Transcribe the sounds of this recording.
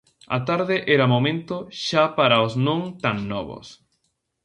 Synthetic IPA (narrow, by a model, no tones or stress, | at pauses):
ɐ̰t̪aɾðeʔɛɾɐmomẽnt̪oʃapaɾaosnõŋt̪aŋnɔβo̰s